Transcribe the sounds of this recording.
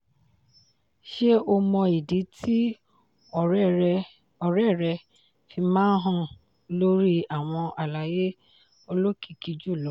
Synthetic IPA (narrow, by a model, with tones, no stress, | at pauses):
ʃe˦ʔo˧mɔ̃˧i˨di˨˦tʰi˦˨˦ | ɔ˨ɾɛ˦˨ɾɛ˧ | fi˧mãː˦n̩˦ɦɔ̃˦˨ | lo˦ɾi˦a˨w̃ɔ̃˧ʔa˨la˨je˦ | o˧lo˦ki̥˦˨ki˨˧d͡ʒu˦˨lo˨˦